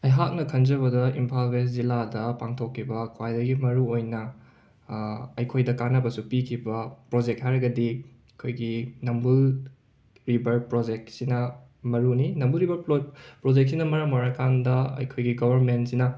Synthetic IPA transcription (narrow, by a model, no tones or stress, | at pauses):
ɐjɦak̚nɐkʰɐnd͡ʒɐβɐdɐimpʰalɡes̬ziladɐpaŋtʰokʰːibɐkʰwajdɐɡimɐɾuojnɐ | ɐjkʰojdɐkanːɐbɐsupikʰibɐpɾod͡ʒek̚ɦajɾɐɡɐdi | kʰojɡinɐmbul | ɾibɐɾpɾod͡ʒek̚sinɐ | mɐɾuninɐmbuɾibɐɾpɾod͡ʒek̚sinɐmɐɾɐmwaɾɐkʰandɐɐ̰jkʰojɡiɡobʱɐɾmentsinɐ